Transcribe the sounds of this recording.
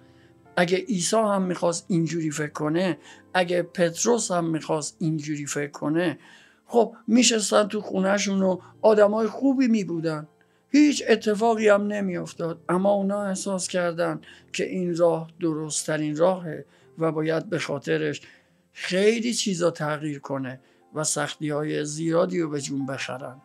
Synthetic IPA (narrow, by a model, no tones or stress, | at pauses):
ʔæɡeʔiːsɒːhæmːiːxɒːst̪ind͡ʒuːɾiːfe̞kʰːo̞ne̞ʔæɡepʰe̞t̪ʰɾo̞shæmːiːxɒːst̪̚ind͡ʒuːɾiːfe̞kʰːo̞ne | χxo̞b̚miʃ̬est̪ænt̪ʰuxuːnæʃ̬uːno | ɒːd̪æmɒːjexuːbiːmiːbuːd̪ænd̪ | hiːt͡ʃʰe̞t̪ʰːe̞fɒːɣiːæmne̞miːjo̞ft̪ɒːd̪̚æmːɒːunɒːe̞hsɒːscʰæɾd̪ænd̪cʰe̞̰ʔiːnɾɒːhd̪o̞ɾost̪ʰæɾiːnɾɒːɦe̞ | væbɒːjæd̪̚be̞xɒːt̪ʰe̞ɾe̞ʃ | xe̞jliːt͡ʃʰiːzɒːt̪ʰæɣiːɾkʰo̞ne̞ | væsæxt̪iːhɒːjeziːɾɒːd̪iːɾobe̞d͡ʒuːmbe̞xæ̰ɾænd̪